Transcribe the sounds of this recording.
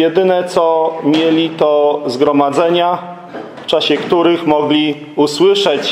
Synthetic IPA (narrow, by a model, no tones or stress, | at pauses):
jɛd̪ɘnɛt̪sɔmʲjelʲit̪ɔzɡɾɔmad̪zɛɲa | ft͡ʂaɕɛkt̪uɾɘxmɔɡlʲi | uswɘʂɛt͡ɕ